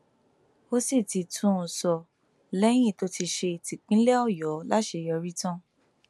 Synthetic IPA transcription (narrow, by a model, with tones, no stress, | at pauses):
o˦si˦˨ti˧˨tʰũ˦˨sɔ˧ | lɛ˦j̃ĩ˦˨to˦ti˧ʃe˧˨ti˨k͡pĩ˨˦lɛ˦ɔ˦˨jɔ˨˦la˦ʃe˧jɔ˧ɾi˦tɔ̃˦